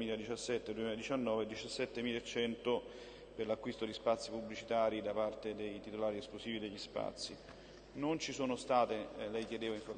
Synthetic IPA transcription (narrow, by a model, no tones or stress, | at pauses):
miːlad̪it͡ʃasːɛt̪ːed̪uemilad̪it͡ʃanːɔːved̪ːit͡ʃasːɛt̪ːemiːlet͡ʃːɛnt̪o | perlakːwist̪od̪ispat̪sːipublit͡ʃit̪aːɾid̪apart̪ed̪ejt̪it̪olaːɾiɛsklosiːvid̪eʎːispa̰t̪sːi | nont͡ʃisoːnost̪aːt̪elɛjkjed̪eːvaiɱfo